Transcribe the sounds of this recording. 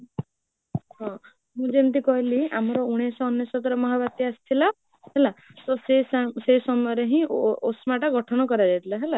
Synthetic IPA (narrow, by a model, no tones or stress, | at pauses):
ɦɔ̃ | mũd͡ʒent̪ikɔɦiliamɔɾɔuɽ̃esɔːnjesɔt̪ɔɾemɔɦaβat̪iast̪ʰila | ɦelasɔsesasesɔmɔjɔɾeɦĩosmaʈaɡɔʈʰɔnɔkɔɾad͡ʒɛt̪ʰilaɦela